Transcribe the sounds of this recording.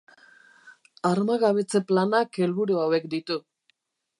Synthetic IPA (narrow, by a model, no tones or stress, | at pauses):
aɾmaɣaβet͡se̞planake̞lβuɾoawekd̪it̪u